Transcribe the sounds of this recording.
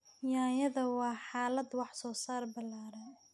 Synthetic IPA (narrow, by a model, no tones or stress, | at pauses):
jaːjɐðɐwɑːħɑːlɐd̪wɑħsɔːsaːrbɐlːaːɾɐ